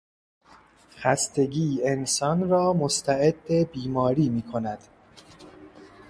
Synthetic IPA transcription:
xæst̪ʰe̞ɡiːensɒnɾɒːmost̪ʰæʔed̪ːebiːmɒːɾiːmiːkʰo̞næd̪̥

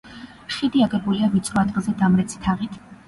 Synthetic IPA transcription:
ʃid̪iaɡɛbuliavit̪sʼɾɔad̪ɡzɛd̪amɾɛt̪sʰi̥t̪ʰaʁit̪ʰ

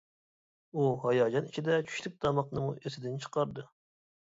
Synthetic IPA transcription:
uɦɑjɑːd͡ʒɑnit͡ʃʰid̪ɛt͡ʃʰy̥ʃt̪ʰyp̚d̪ɑmɑqnɨmuʔesɪd̪ɪnt͡ʃʰə̥qʰɑɾd̪ɨ

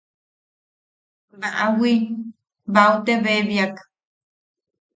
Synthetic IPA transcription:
baʔawi | baut̪eβeβjak

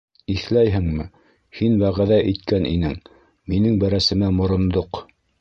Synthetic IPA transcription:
iθlæjɦɘŋmɘ | hinwæʁæðæʔijt̪̚kænʔḭnɘŋ | minɘŋbæɾæsɘ̆mæmŏɾŏnd̪oq

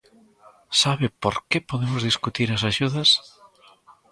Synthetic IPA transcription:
saβɪpoɾkepoðemozðiskut̪iɾɐsaʃuðɐs

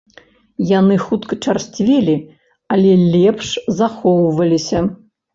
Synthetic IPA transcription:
janɨxut̪kɐt͡ʂarsʲt͡sʲvʲilʲi | ɐlʲɛlʲɛpʂzaxɔwvɐlʲisʲɐ

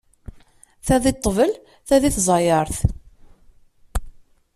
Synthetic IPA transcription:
θæðit̪ˤːəvəl | θæðiθzˤɑjəɾˤθ

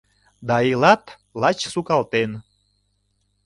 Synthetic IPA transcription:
d̪ɑilɑt̪ | lɑt͡ɕsukɑlt̪en

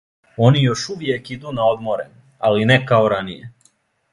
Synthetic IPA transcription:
o̞nijo̞ʃuʋjekid̪unao̞d̪mo̞ɾḛ | alinɛkao̞ɾanije

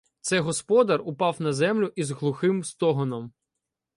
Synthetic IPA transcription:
t̪sɛɦɔspɔd̪ɐrʊpɑwnɐzɛmlʲʊʔizɦlˠʊxɪmst̪ɔɦɔnɔm

